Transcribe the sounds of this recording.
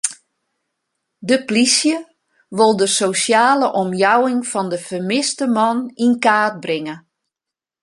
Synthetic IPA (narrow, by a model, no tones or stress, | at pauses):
dəplisjə | ʋolˠdəsosjaːləʔɔmjawɪŋfɔndəfərmɪstəmɔninkaːt̚brɪŋə